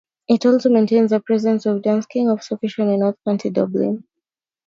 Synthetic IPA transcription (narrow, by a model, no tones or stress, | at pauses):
ɪtɔlˠsomẽɪ̃ntẽɪ̃nzəpɹ̥ɛzɛ̃nsɔvdãnskɪ̃ŋɔv̥səfɪʃə̃nɪ̃nɔθkʰãntʰidɔblɪ̰̃n